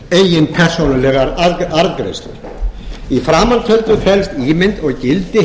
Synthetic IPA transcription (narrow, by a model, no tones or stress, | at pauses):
ejɪnpʰɛr̥sownalɛɣaɾaɾkɾḛst̪ɪ̰ɾ | ifɾaːmant̪ʰœlt̪ʏfɛlst̪iːmɪnt̪ɔɣcɪlt̪ɪ